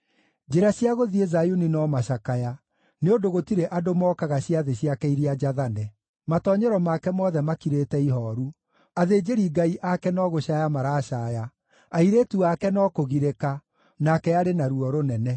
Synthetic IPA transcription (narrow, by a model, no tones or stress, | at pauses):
d͡ʒeɾaɕjaɣoðiezajuninɔmaʃakaja | neodoɣotiɾeʔadomɔːkaɣaɕiaðeɕiakɛiɾiad͡ʒaðanɛ | matɔːɲɛɾɔmakɛmɔðɛmakiɾeːtɛiɦɔːɾu | aðeːd͡ʒeɾiɡaiʔakɛnɔːɣoɕajamaɾaːʃaːja | aiɾeːtuakɛnɔːkoɣiɾeka | nakɛaɾenaɾuɔɾonɛnɛ